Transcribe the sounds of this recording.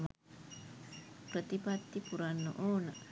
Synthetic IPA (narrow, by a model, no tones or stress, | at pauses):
m | prət̪ipat̪ːipuɾanːə̰ʔoːnə